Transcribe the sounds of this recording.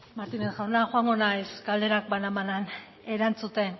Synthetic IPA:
maɾt̪inesxawnaxoaŋɡo̞najsɡald̪e̞ɾak̚banamanan | e̞ɾant͡sut̪e̞n

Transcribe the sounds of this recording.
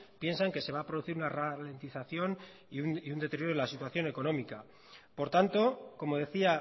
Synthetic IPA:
pje̞nsaŋke̞se̞βaːpɾo̞ðuθiɾunarale̞nt̪iθaθjo̞n | uiund̪e̞t̪eɾjo̞ɾolasit̪waθjo̞ne̞ko̞nõ̞mika | po̞ɾt̪ant̪o̞ko̞mo̞ð̞e̞θia

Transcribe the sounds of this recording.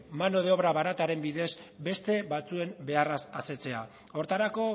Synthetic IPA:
manoð̞eo̞βɾaβaɾat̪aɾe̞mbiðe̞zbe̞st̪e̞βat͡sue̞mbe̞arasase̞t͡se̞a | o̞ɾt̪aɾako̞

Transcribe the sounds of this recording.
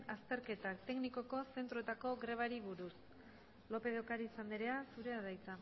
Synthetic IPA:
ast̪e̞ɾke̞t̪akt̪e̞kniko̞ko̞se̞nt̪ɾo̞t̪ako̞ɣɾe̞β̞aɾiβuɾus | lo̞pe̞ðokaɾiːsand̪iɾe̞asuɾe̞aðajt͡sa

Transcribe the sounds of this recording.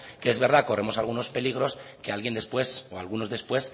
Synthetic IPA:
keezβe̞ɾðako̞re̞mo̞salɣuno̞spe̞liɣ̞ɾo̞ske̞alɣje̞nd̪e̞spwe̞soa̰lɣuno̞zðe̞spwe̞s

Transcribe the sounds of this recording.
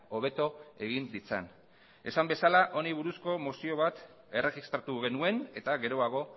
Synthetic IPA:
o̞β̞e̞t̪o̞e̞ɣ̞ind̪it͡sa̰n | e̞sambe̞salaʔo̞niβ̞uɾusko̞mosio̞β̞at̪ | ereɣist̪ɾat̪uɣ̞e̞nue̞ne̞t̪aɣe̞ɾo̞aɣ̞o̞

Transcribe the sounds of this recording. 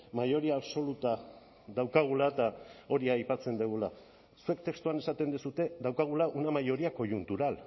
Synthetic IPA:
majo̞ɾiaːβso̞lut̪a | ðawkaɣ̞ulat̪ao̞ɾiajpat͡se̞nd̪eɣ̞ula | sue̞kt̪e̞kst̪uane̞sat̪e̞nd̪usut̪e̞ðawkaɣ̞ulaʔunamajo̞ɾiako̞junt̪uɾal

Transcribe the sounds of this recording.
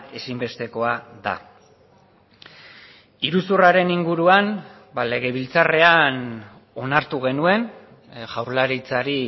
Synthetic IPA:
e̞simbe̞st̪e̞ko̞aða̰ | iɾusuraɾe̞niŋɡuɾuan | bale̞ɣ̞e̞β̞ilt͡sare̞an | o̞naɾt̪uɣe̞nue̞n | ʝawɾlaɾit͡saɾi

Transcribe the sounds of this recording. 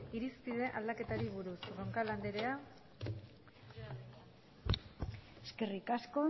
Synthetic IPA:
iɾispiðe̞ʔald̪ake̞t̪aɾiβuɾusroŋkaland̪eɾe̞a | eske̞rikasko̞

